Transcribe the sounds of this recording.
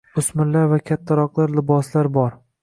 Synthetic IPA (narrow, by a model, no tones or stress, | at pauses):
ʊsmɪllːaɾvakʲʰat̪ʰːaɾɒqlˠaɾlɪbɒslaɾbɒɾ